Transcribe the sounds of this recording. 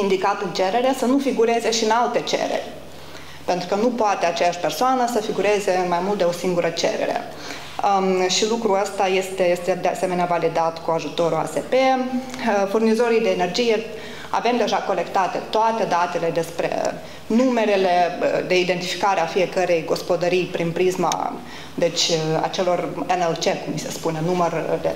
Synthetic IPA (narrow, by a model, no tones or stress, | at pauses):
ind̪ikat̪ɨnt͡ʃe̞ɾe̞ɾe̞sənufiɡuɾe̞ze̞ʃiɨnalt̪e̞t͡ʃe̞̰ɾḛrʲ | pent̪ɾukənupoat̪e̞at͡ʃejaʃʲpe̞rsoanəsəfiɡuɾe̞ze̞ɨnmajmult̪̚d̪e̞o̞siŋɡuɾʔət͡ʃe̞̰ɾḛɾe̞̰ | ʃilukɾuəst̪aje̞st̪ejest̪ed̪ease̞meneavalid̪at̪kuaʒut̪o̞ɾua̰se̞pe̞ | furnizo̞ɾijd̪e̞ːne̞rd͡ʒije̞ | a̰ve̞md̪e̞ʒako̞le̞kt̪at̪e̞t̪oat̪e̞d̪at̪e̞le̞d̪e̞spɾe̞̰ | nume̞ɾele̞d̪e̞id̪ent̪ifi̥kaɾeafije̞kəɾe̞jɡo̞spo̞d̪əɾijpɾinpɾizma̰ | d̪e̞t͡ʃʲa̰t͡ʃe̞lo̞renelt͡ʃe̞kumːise̞spune̞numərd̪e